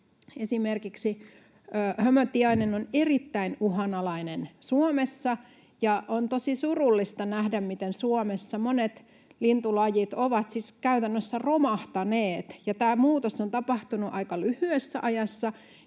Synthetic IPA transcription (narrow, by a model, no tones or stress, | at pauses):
esimerkiksiː | hømøt̪ːiɑinenonerit̪ːæinuɦɑnɑlɑinensuomesːɑ | jɑʔont̪osisurulːist̪ɑnæhdæmmit̪ensuomesːɑmonet̪ | lint̪ulɑjit̪oʋɑt̪siskæyt̪ænːøsːæromɑht̪ɑneːt̪jɑt̪æːmuːt̪osont̪ɑpɑht̪unuʔɑikɑlyhyesːæʔɑjɑsːɑ